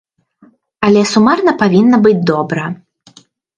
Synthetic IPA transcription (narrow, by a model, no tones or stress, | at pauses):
ɐlʲɛsumarnɐpavʲinːɐbɨd͡zʲd̪ɔbɾɐ